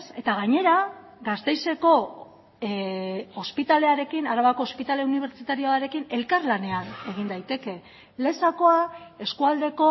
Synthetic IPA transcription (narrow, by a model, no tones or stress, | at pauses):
se̞t̪aɣaɲe̞ɾa | ɡast̪e̞jse̞ko̞ | ospit̪ale̞aɾe̞kinaɾaβako̞ːspit̪ale̞uniβ̞e̞ɾt͡sit̪aɾioaɾe̞kine̞lkarlane̞ane̞ɣ̞ind̪ajt̪e̞ke̞ | le̞sako̞ae̞skuald̪e̞ko̞